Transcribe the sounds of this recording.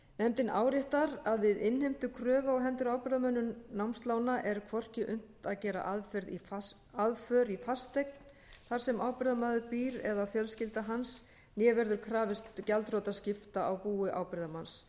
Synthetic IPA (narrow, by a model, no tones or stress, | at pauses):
nɛmt̪ɪnʔaːwɾjɪht̪aɾaðvɪðɪnhejm̥t̪ʏkʰɾœːvaɔɦɛnt̪ʏɾawpɪɾðamœnːʏnnawmst̪laːwnaʔɛɾkʰvɔr̥cɪʔʏm̥t̪aðcɛːɾa̰ʔaðfɛɾði | aðfœɾifast̪ejk̚n | θaɾ̥sɛmaːwpɪɾðamaːðʏɾpiːɾɛ̰ðafjœlscɪlt̪aɦans | njɛːvɛɾðʏɾkʰɾaːvɪst̪calt̪rowt̪ascɪft̪aʔawpuːʏʔa̰ːwpɪɾðamans